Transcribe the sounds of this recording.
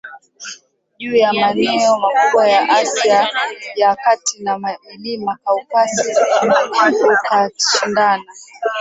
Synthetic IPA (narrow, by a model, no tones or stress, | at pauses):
ʄuːjamanɛɔmakuɓwajaʔasjajakatinamailimakaupasihukɔkaʃindana